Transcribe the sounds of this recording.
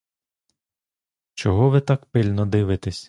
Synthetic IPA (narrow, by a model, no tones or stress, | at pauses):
t͡ʃɔɦɔʋɪt̪ɑkpɪlʲnɔd̪ɪʋɪt̪esʲ